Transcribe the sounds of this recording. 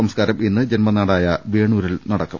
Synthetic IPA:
ɐmskaːɾɐminːɨd͡ʑenmɐnaːɽaːjɐʋiːɳuːɾilnɐɽɐkːɐm

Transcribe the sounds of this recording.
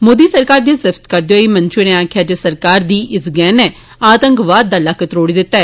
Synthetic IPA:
moːd̪iːsəɾkaːɾd̪eːsɪfʰt̪kəɾd̪eoːiːmənt͡ʃɪneːaːkʰjaːd͡ʒeːsəɾkaːɾd̪iːʔɪsɡɛːnɛː | aːt̪əŋkʋaːd̪̚ːaːləkət̪ɾoːɽiːd̪ɪt̪ːaɛ

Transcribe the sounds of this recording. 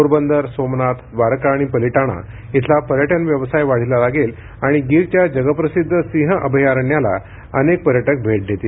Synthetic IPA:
oɾbənd̪əɾsomnat̪ʰbaɾkaːɽ̃ipəliʈaɽ̃a̰ | it̪ʰlapəɾjəʈənʋjəʋsajʋaɽ̤ilalaɡel | aɽ̃iɡiɾt͡ɕjad͡ʑəɡəpɾəsid̪ʱːəsĩɦəʔəbʱəjaɾɳjala̰ | ənek̚pəɾjəʈək̚bʱeʈ̚d̪ʱet̪il

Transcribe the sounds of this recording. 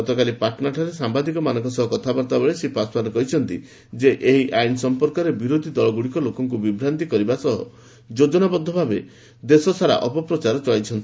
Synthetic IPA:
ɔt̪ɔkalipaʈʰɔnaɾʈʰaɾesambad̪ikɔmanɔŋkɔsɔɦɔkɔt̪ʰabɔɾt̪abeɭesipaspaɾɔkɔɦit͡ʃʰɔnt̪i | d͡ʒeʔeɦiʔajnsɔmpɔɾkɔɾebiɾod̪ʱid̪ɔɭɔɡuɽikɔlokɔŋk̬ubibɾant̪ikɔɾibasɔɦɔ̰ | d͡ʒod͡ʒɔnabɔd̪ʱːɔbʱabe | d̪esɔsaɾa̰ʔɔpɔpɾɔt͡ʃaɾɔt͡ʃɔɭajt͡ʃʰɔnt̪i

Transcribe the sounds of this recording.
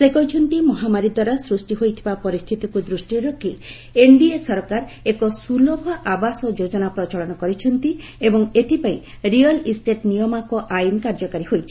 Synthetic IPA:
sekɔjt͡ʃʰɔnt̪imɔɦamaɾid̪waɾasɾusʈiɦojt̪ʰibapɔɾist̪ʰit̪ikud̪ɾusʈiɾɔki | eɳɖiesɔɾkaɾekɔsulɔbʱɔʔabasɔd͡ʒod͡ʒɔnapɾɔt͡ʃɔɭɔnɔkɔɾit͡ʃʰɔnt̪i | ebɔŋet̪ʰipaĩ | ɾiɔlisʈeʈnijɔmakɔʔajnkaɾd͡ʒɔkaɾiɦojt͡ʃʰi̥

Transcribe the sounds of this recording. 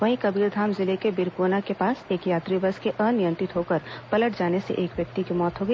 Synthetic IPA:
ʋɐɦĩkɐbiːɾd̪ʱaːmzɪlekebɪɾkoːnakepaːseːkjaːt̪ɾibəskeʔənɪjə̃nt̪ɾɪt̪ɦokəɾpɐləʈd͡ʒaːnesḛʔeːkʋjɐk̚t̪ikimɔːt̪ɦoːɡəi

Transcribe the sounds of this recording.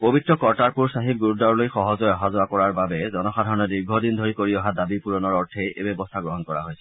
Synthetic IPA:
pobitɹɔkɔɹtaɹpuɹsaɦib̚ɡuɹudɔɹlojxɔɦɔzɔjɔɦazʊakɔɹaɹbabɛzɔnɔxadʱaɹɔnɔdiɹɡʱɔdindʱoɹikoɹiɔɦadabipuɹɔnɔɹɔɹtʰejḛbɛbɔst̪ʰaɡɹɔɦɔnkɔɹa̰ɦojsʰɛ

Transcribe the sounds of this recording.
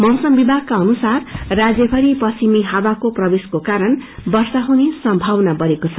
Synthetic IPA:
mʌwsʌmbibʱaɡ̚kaʌnusarrad͡zjʌbʰʱʌɾipʌsimiɦawakoprʌbeskokaɾʌnbʌrsaɦunesʌmbʱawnabʌɾekot͡sʰʌ

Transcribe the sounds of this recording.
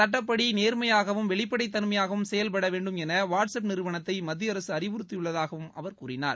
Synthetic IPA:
sɐʈːɐp̬ːɐɽineːɾmɐjaːɣɐʋɯmʋɛɭɪpːɐɽɐɪt̪ːɐnmɐjaːɣɐʋɯmsɛjɐlpɐɽɐʋeːɳɖɯmɛnɐʋaːʈsɐpnɪɾɯʋɐɳɐt̪ːɐɪmɐd̪ːɪjɐɾɐsɯɐɾɪʋʊɾɯt̪ːɪjɯɭːɐðaːɣɐʋɯmɐʋɐɾkuːɾɪna̰ːɾ

